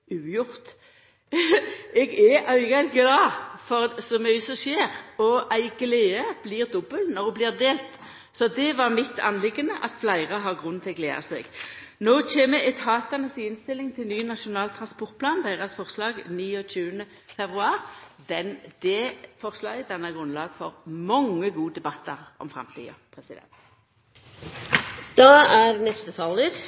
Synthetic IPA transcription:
ʉːjʊʁt̪ | ɛɡɛʔœʏɡɑɡlɑːfɔʁsɔmyːəsɔʃeːʁɔʔæɪɡleːəb̥liːʁd̪ɔbəlnɔʁublɪːʁd̪eːlt̪ | sɔd̪ɛʋɑʁmɪt̪ʰːɑ̰nlɪɡənəʔɑt̪flæɪʁəɦɑʁɡʁʉnt̪ʰɪlɡlḛːɑ̰sɛ̰ɡnoːt͡ʃʰeːməɛt̪ʰhɑːt̪ɑnəsiɪnst̪ɪlːɪŋt̪ʰɪlnyːnɑʂʊnɑːlt̪ʰʁɑnspɔʁt̪̚pʰlɑːnd̪æɪʁəsfɔʁslɑːɡniːɔc͡çʉːənə | fɛbʁʉɑːʁd̪ɛnd̪̥ɛfɔʁslɑːɪd̪ɛnːɑɡʁʉnlɑːɡfɔʁmɔŋːəɡuːəd̪ɛbɑt̪ːəʁʔɔ̰mfʁɑ̰mt̪ʰḭːɔ̰pʰɾɛsɪd̪ɛ̰nt̪ | d̪̥ɑæɾnɛst̪ət̪ʰɑləɾ

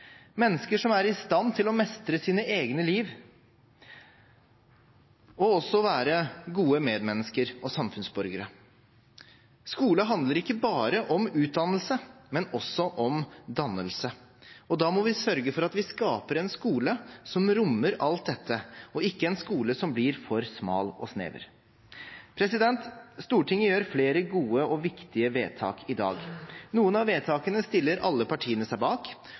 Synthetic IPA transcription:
mɛnːəskəʂɔmæɾɪst̪ɑnt̪ʰɪlɔmɛst̪ɾəsiːnəʔeːɡnəliːʋ | ɔɔsːɔʋæːɾəɡuːəmeːd̪mɛnːəskəɾɔsɑmfʉnsbɔɾɡəɾə | skuːləɦɑnd̪ləɾɪkːəbɑːɾəʔɔmʉːt̪̚d̪ɑnəlsəmɛnɔsːɔʔɔmd̪ɑnːəlsə | ɔd̪ɑːmɔʋɪsœɾɡəfɔɾɑt̪ʋɪskɑːpəɾɛnskuːləsɔmɾʊmːəɾɑlt̪̚d̪ɛt̪ʰːəɔɪkːəɛnskuːləsɔmblɪɾfɔɾsmɑ̰ːlɔ̰snḛːʋə̰ɾ | pʰɾɛsɪd̪ɛnt̪st̪uːʈʰɪŋːəjøːɾfleːɾəɡuːəɔʋɪkt̪ɪəʋeːt̪ʰɑ̰ːkʰɪd̪ɑ̰ːɡnuːənɑʋeːt̪ʰɑːkənəst̪ɪlːəɾʔɑlːəpɑʈʰiːənəsæɪbɑːk

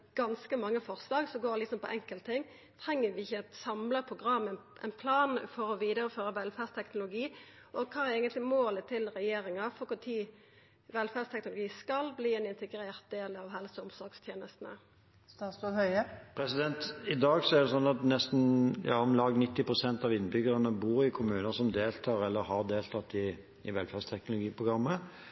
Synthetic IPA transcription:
ɡ̥ɑnskəmɑŋːəfɔɾslɑːɡsɔɡoːɾlɪk̪sɔmpʰɔʔɛŋkəlt̪ʰɪŋ | t̪ʰɾɛŋːəʋɪɪçːəɛt̪sɑmləpʰʁʊɡɾɑmːɛʔɛ̰ɪnpʰlɑːnfɔɾɔʋiːd̪əɾəføːɾəʋɛlfæst̪ʰɛknʊlʊɡiː | ʔɔkʰɑːɛɾeːɡənt̪lɪmoːlət̪ʰːɪlɾɛjeːɾɪŋɑfɔkʊt̪ʰiː | ʋɛlfæʁd̪st̪ʰɛknʊlʊɡiːskɑlbliːɛnɪnt̪ɛɡɾeːʁt̪̚d̪eːlɑʋɦɛlsɔʊmsɔɾɡst̪ʰjeːnəst̪n̩ə̰ | st̪ɑːsɔhœʏəpʰɾɛsɪd̪ɛnt̪ɪd̪ɑːɡsɔɛʁd̪ɛsɔnːɑt̪nɛst̪n̩jɑ̰ːɔmlɑːɡnɪt̪ːɪpɾʊsɛnt̪ɑʋɪnːbʏɡəɾənəbuːɾɪkʰʊmʉːnəsɔmd̪eːlt̪ʰɑːʁɛlːəɾhɑʁd̪eːlt̪ʰɑt̪ːɪː | ʋɛlfæst̪ʰɛknʊlʊɡiːpʰʊɡɾɑmːə

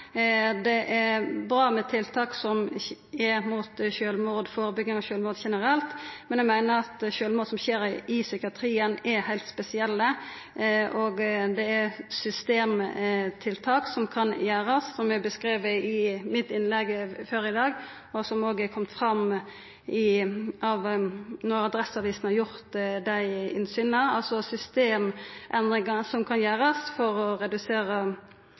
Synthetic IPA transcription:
d̪ɛʔɛɾbɾɑːmɛt̪ʰɪlt̪ʰɑːksɔmɛɾmuːt̪ʃøːlmuːd̪foːɾəbʏɡnɪŋɔʃøːlmuːd̪çɛnəɾɛlt̪mɛnjæɡmæɪnəɾʁɑt̪ʃøːlmuːd̪sɔmçeːɾɪsʏkɪɑt̪ʰɾiːənɛɾhæɪlt̪spɛsɪɛlːə | oɡd̪ɛɛʁsʏst̪eːmt̪ʰɪlt̪ʰɑːksɔmkʰɑnjæːɾɑsːɔmɛbəskɾeːʋəɪmɪt̪ɪnlɛɡføɾɪd̪ɑːɡ | ɔsɔmoːɡəɛkʰɔmt̪fɾɑm | ɪʔɑʋnɔɾɑd̪ɾɛsɑʋiːsnhɑɾjʊɾt̪d̪æɪɪ̰nsyːnəɑlsɔsʏst̪eːmʔɛnd̪ɾɪŋɑsɔmkʰɑnjæːɾɑsfɔɾɔɾɛd̪ʉseːɾə

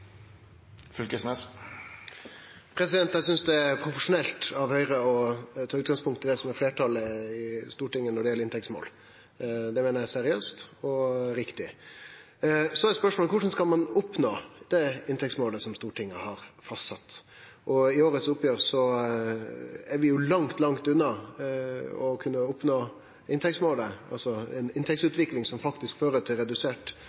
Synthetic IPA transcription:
fʏlkəsmɛs | pʰɾɛsɪd̪ɛnt̪æɪsʏnsd̪ɛæɾpʰɾʊfəʂʊnɛlt̪ɑʋhœʏɾəɔt̪ʰɑːʉːt̪ɡɑŋspʰʊŋkt̪ʰɪld̪ɛsɔmɛɾfleːʈʰɑləɪst̪uːʈɪŋːənɔɖɛjɛlːɪnt̪ʰɛktsmo̰ːl | d̪ɛmɛːnəɾæsɛɾɪøːst̪ɔɾɪkt̪ɪ | sɔɛspœʂmoɔːlkʰʊʂn̩skɑlmɑnʊpnoːd̪̥ɛɪnt̪ɛktsmoːləsɔmst̪uːʈʰɪŋːəhɑɾfɑst̪sɑt̪ː | ʔɔɪoːɾət̪sʊpːjøːɾsɔ | æɾʋɪjʊlɑŋt̪lɑŋt̪ʉnːɑ | ɔkʰʉnːəʊpnoː | ɪnt̪ʰɛksmoːləʔɑ̰lsɔɛ̰nɪnt̪ʰɛk̚sʉːt̪ʋɪklɪŋsɔmfɑkt̪ɪskføːɾət̪ʰɪlɾɛd̪ʉseːʈ

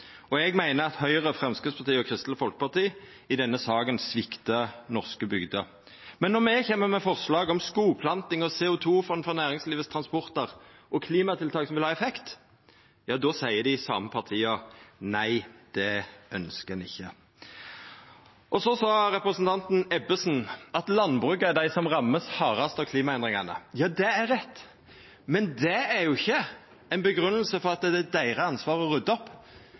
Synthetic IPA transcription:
ɔɛɡmæɪnəɑt̪hœʏʁəfʁɛmskʉspʰɑʁt̪ʰiːɔkʰʁɪst̪ləfɔlkə̥pɑʁt̪iː | ɪd̪ɛnːəsɑːɡənsʋɪkt̪ənɔʁskəbʏɡd̪ə | mɛnːɔʁmɛçɛmːəmɛfɔʁslɑːɡɔmskuːpʰlɑnt̪ɪŋɔsɛːʊt̪ʰuːfɔnfɔʁnæːʁɪŋsliːʋəst̪ʰʁɑnspɔʁt̪əʁ | ʔɔkʰliːmɑt̪ʰɪlt̪ʰɑːksɔmʋɪlhɑːɛfɛkt̪ | jɑːd̪oːsæɪəd̪ɪsɑːməpʰɑʁt̪ʰiːɑnæɪd̪̥ɛʔœnskəɛnɪ̰çːə | ʔɔsɔsɑːʁɛpɾəsnt̪ʰɑnt̪n̩ɛbəsn̩ɑt̪lɑnbʁʉːkːəæd̪æɪsɔmʁɑmːəshɑːʁɑst̪ɑʋkʰliːmɑɛnd̪ɾʁɪŋɑnə̰jɑːd̪ɛæɾɛt̪ː | mɛnd̪ɛæɾjʊɪçːə | ɛɪnbəɡɾʉnːəlsəfɔʁɑt̪̚d̪ɛd̪ɛd̪æɪʁəɑnsʋɑːʁəɔʁʉd̪ːɔpː

